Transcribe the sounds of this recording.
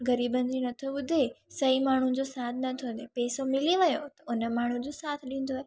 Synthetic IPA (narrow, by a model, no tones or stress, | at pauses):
ɣɐɾiːbənd͡ʑinɐt̪ʰoɓʊd̪ʱesɐimaːɳ̤ũd͡ʑosaːt̪ʰnɐt̪ʰõnd̪epeːsomɪliʋɐjot̪ɐʊnə̆maːɳ̤ũd͡ʑosaːt̪ʰɗĩːn̆d̪oae